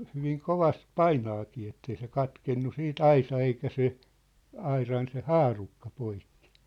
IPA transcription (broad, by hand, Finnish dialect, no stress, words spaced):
hyʋiŋ koʋɑst pɑinɑːkiː etːei se kɑtkenːu siːt ɑisɑ eikæ se ɑirɑn se hɑːrukːɑ poikːi̥